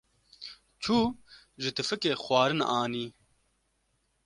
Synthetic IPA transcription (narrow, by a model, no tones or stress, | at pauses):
t͡ʃʰuː | ʒɪt̪ɨfɨkeːxwɑːɾɨnaːniː